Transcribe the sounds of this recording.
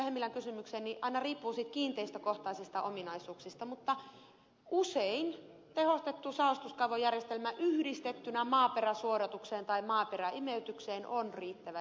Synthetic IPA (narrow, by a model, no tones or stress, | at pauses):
hemːilːæŋkysymykseːnniʔɑinɑriːpːuːsit̪kiːnt̪eist̪økoht̪ɑisist̪ɑʔominɑisuːksist̪ɑmut̪ːɑ | usein | t̪ehost̪et̪ːusɑost̪uskɑuʋojærjest̪elmæʔyhdist̪et̪ːynæmɑːperæsuoɾɑt̪ukseːnt̪ɑimɑːperæʔimeyt̪ykseːnʔonriːt̪ːæʋæ